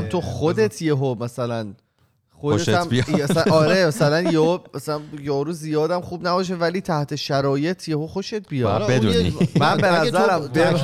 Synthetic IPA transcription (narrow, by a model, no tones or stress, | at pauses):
mt̪ʰoxod̪et̪ʰjeɦomæsælæn | xod̪mbæsɒːɾemæsælænjeomæsælænjɒːɾuːzijɒːd̪æmxuːbnæbɒːʃ̬e̞væliːt̪ʰæht̪ʰe̞ʃæɾɒːjet̪ʰjehoxo̞ʃet̪̚ʰbijɒled̪unḭmæbenæzæɾæmbe